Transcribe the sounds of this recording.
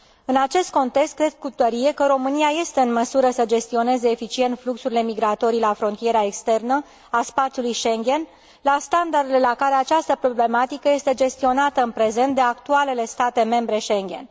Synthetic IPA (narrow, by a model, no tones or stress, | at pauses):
ɨnat͡ʃe̞st̪̚ko̞nt̪e̞kst̪kɾe̞d̪̚kut̪əɾije̞kəɾo̞mɨniaje̞st̪e̞ɨnməsuɾəsəd͡ʒe̞st̪io̞ne̞ze̞ːfit͡ʃie̞nt̪fluksuɾile̞miɡɾat̪o̞ɾilafɾo̞nt̪ije̞ɾae̞kst̪e̞rnə | aspat̪sijulujʃe̞ŋɡʲe̞n | last̪and̪ard̪ele̞lakaɾe̞at͡ʃast̪əpɾo̞ble̞mat̪ikəje̞st̪e̞d͡ʒe̞st̪io̞nat̪əɨnpɾe̞ze̞nt̪̚d̪eakt̪uale̞le̞st̪at̪e̞me̞mbɾe̞ʃe̞ŋɡʲe̞̰n